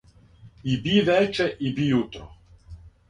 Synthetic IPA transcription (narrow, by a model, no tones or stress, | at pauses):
ibivɛt͡ʃɛʔibiut̪ɾɔ